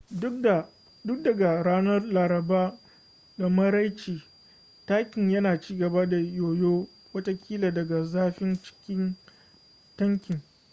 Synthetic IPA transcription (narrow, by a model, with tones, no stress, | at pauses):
dʊ˦k̚dɐ˨ɡa˨ɽaː˦nɐ˦rlaː˨ɾɐ˨baː˦ | da˨mɐ˦ɾa˦jt͡ʃiː˨ | taː˦kʲɪ˨ɲjɐ˦naː˨t͡ʃiː˦ɡɐ˨ba˦da˨joː˨joː˦ | wɐ˦ta˦kʲʰiː˦la˨dɐ˨ɡa˨zaː˦ɸɪ˦nt͡ʃɪ̥˦kʲɪ˦n | tɐ˦ŋkʲɪ˨ŋ